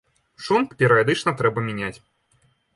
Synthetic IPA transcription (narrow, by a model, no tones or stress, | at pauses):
ʂunkpʲɛɾɐjɐd̪ɨt͡ʂnɐt̪ɾɛbɐmʲɪnʲat͡sʲ